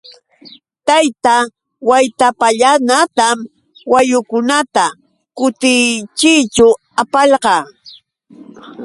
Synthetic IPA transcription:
t̪ajt̪a | wajt̪apaʎanat̪am | wajʊkʊnat̪a | kʊt̪ɪt͡ʃɪt͡ʃʊ | apaʎqɑː

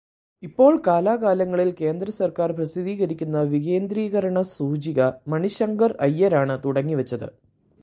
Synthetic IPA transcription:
ipːo̞ːɭkaːlaːkaːlɐŋːɐɭilke̞ːnd̪ɾɐsɐrkaːrprɐsiðiːɣɐɾikʲːunːɐʋiɣe̞ːnd̪ɾiːɣɐɾɐɳɐsuːd͡ʑiɣɐmɐɳiɕɐŋɡɐrɐjːɐɾaːɳɨt̪uɽɐŋːiʋɐt͡ɕːɐðɨ̰

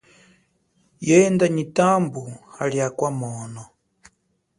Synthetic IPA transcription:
jɛɛndaɲitambuhaliakwamɔːnɔ

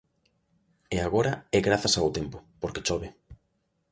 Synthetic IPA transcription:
eaɣoɾaɛɣɾaθasawt̪empʊpoɾket͡ʃɔβe

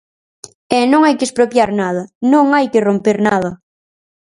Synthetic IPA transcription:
ɛnõŋajkespɾopjaɾnað̞ɐnõŋajkɪrompeɾnaðɐ

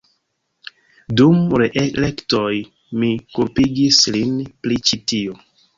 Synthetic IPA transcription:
dumɾeʔelektoj | mikulpiɡislinplit͡ʃitio

